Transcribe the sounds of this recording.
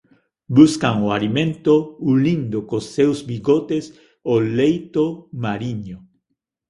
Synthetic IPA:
buskaŋʊalimẽnt̪oulĩnd̪okosːewzbiɡot̪es | olejt̪omaɾiɲʊ

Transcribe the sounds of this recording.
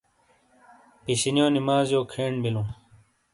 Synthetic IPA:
piɕinjoːnimaːzjoːkʰeːɳbilũː

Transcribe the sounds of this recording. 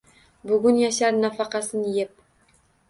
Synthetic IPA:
bʊɡʊnjaʃaɾnafɑqɑsɘnjep̚

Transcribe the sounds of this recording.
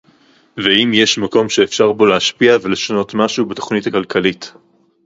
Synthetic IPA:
veimjeʃmako̞mʃeːfʃaʁbo̞leaʃpiave̞le̞ʃano̞tmaʃubato̞χnithakalkalit

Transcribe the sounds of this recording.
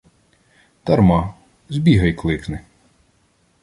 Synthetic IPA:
t̪ɐɾmɑ | zʲbʲiɦɐjklˠɪknɪ

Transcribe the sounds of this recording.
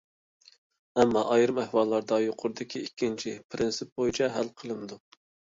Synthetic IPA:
ɛmːɑʔɑjɾɨmæhwɑlˠːɑɾd̪ɑjoqʰʊɾɨd̪ɪkʲʰiikʲːint͡ʃʰipʰɪɾɪnsɪp̚bojit͡ʃʰɛɦælqʰəlˠɨmɪd̪u

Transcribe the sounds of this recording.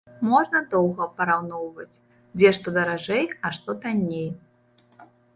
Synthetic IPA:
mɔʐnɐd̪ɔwɣɐpɐɾawnɔwvɐt͡sʲ | d͡zʲɛʂt̪ɔd̪ɐɾaʐɛjɐʂt̪ɔt̪anʲej

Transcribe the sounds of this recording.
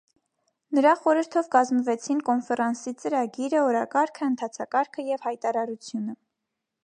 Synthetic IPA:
nəɾɑχɔɾəɾt̪ʰɔvkɑzməvɛt͡sʰinkɔnfɛrɑnsit͡səɾɑɡiɾəɔɾɑkɑɾkʰəənt̪ʰɑt͡sʰɑkɑɾkʰəjɛvhɑjt̪ɑɾɑɾut͡sʰjunə

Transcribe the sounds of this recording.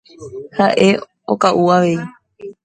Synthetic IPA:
haʔe̞ | okaʔuaʋe̞i

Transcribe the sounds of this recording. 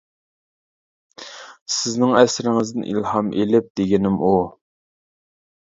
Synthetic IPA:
sɪznɪŋɛsɾɪŋɪzd̪ɪnʔḭlhɑmʔelɪp̚d̪eɡʲinɪmʔu

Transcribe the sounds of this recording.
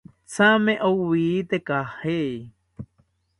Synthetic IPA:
samẽʔowwiːt̪ekahej

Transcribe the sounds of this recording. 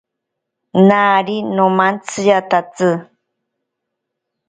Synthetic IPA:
naɾinõmant͡sɨjat̪at͡sɨ

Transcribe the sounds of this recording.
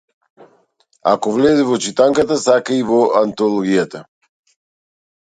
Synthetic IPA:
a̰kovlɛzɛvɔt͡ʃit̪aŋkat̪asakaivoant̪olˠoɡijat̪a

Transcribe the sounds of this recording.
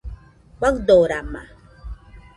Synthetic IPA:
wʷakd̪oɾama̰

